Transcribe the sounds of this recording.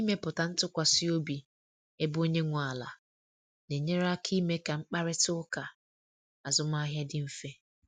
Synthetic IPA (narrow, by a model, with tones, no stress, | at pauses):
i˦me˦pʊ˨ta˨n̩˦tʊ˦kʷa˨sɪ˦o˦bi˨ | e˦bo˦ɲe˦ŋʷʊ˨a˨la̰˨ | ne˨ɲe˦ɾa˦kʰi˦me˦ka˨ŋ͡m̩˦k͡pa˦ɾɪ˦tʊ˦ʊ˦ka˨ | a˨zʊ˦m˦a˦ɦja˦dɪ˦m̩˦fe˦